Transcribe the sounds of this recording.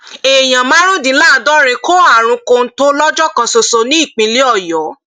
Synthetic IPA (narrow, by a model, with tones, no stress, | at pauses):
e˨j̃ã˨mã˦ɾ̃ũ˦dĩ˧˦la˦˨dɔ˦ɾe˧ko˦a˦˨ɾ̃ũ˧ko˧n̩˦to˦lɔ˦d͡ʒɔ˦kɔ̃˧so˧so˧nĩ˦i˦˨k͡pĩ˨˧li˦ɔ˦˨jɔ˨˦